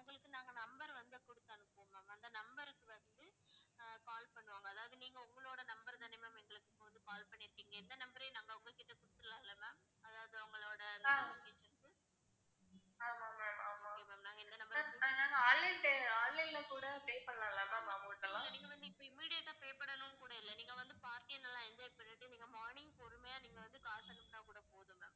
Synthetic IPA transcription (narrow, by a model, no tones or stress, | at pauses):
ʊŋɡɐɭɯkːɯnaːŋɡɐnɐmbɐɾʋɐnd̪ɯkɔɽɯt̪ːaːnɯpːõːmaːmːnd̪ɐnɐmbɐɾɯkːɯʋɐnd̪ɯ | kaːlpɐɳːɯʋaːŋɡɐːðaːʋɐðɯniːŋɡɐʊŋɡɐɭoːɽɐnɐmbɐɾt̪ɐnɪmɐːmɛŋɡɐɭɯkːɪpːoʋɐnd̪ɯkaːlpɐɳːɪɾɯkːiːŋɡɐɛnd̪ɐnɐmbɐɾɐjnaːŋɡɐʊŋɡɐɭkːɪʈːɐkʊɽɯt̪ːɯɾɯlãːɪlːɐmaːm | ɐðaːʋɐðɯʊŋɡɐɭoːɽɐnaːʋɪkeːt͡ʃːɐnkɯ | aːmaːmaːmaːmamamnaːŋɡɐɛnd̪ɐnɐmbɐnaːnaːŋɡɐaːlːɛʈeaːɭːɐɪlɐkuːɽɐpeːpɐɽlãːɪlːɐmamãːmɐʈːɐlãːɐniːŋɡɐʋɐnd̪ɯɪpːɐɪmːiːɽɪjɐt̪ːãːpeːpɐɽɐnʊ̃kuːɽɐɪlːɐniːŋɡɐʋɐnd̪ɯpaːɾt̪ɪɐnɐlːãːɪɲd͡ʒɐːj̚pɐnːɪʈːɯniːŋɡɐmaːɳɪŋɡkɔɾɯmɐjaːniːŋɡɐʋɐnd̪ɯkaːɾsɐnɐmnaːkuːɽɐpoːðɯŋɡɐ